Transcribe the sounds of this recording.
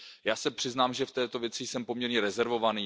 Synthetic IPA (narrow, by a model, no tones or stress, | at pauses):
jaːsɛpr̝̥ɪznaːmʒɛft̪ɛːt̪o̞vjɛt͡sɪsɛmpo̞mɲɛɾɲɛɾɛzɛɾvo̞vaniː